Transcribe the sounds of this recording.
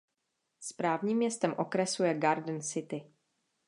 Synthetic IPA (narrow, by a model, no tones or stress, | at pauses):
spɾaːvɲiːmːɲɛst̪ɛmʔo̞kɾɛsujɛɡaɾdn̩sɪt̪ɪ